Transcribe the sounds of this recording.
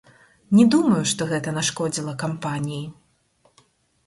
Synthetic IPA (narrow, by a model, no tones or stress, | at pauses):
nʲɛd̪umɐjuʂt̪ɔɣɛt̪ɐnaʂkɔd͡zʲilˠɐkampanʲiji